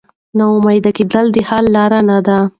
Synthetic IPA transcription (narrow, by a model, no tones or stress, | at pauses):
naʊmajd̪aked̪əld̪ehɑlːɑɾanad̪a